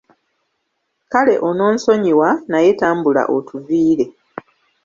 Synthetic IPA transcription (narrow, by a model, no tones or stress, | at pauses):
kale̞ʔo̞no̞ːnso̞ɲiwanajetaːmbula̰ʔotuviːɾe̞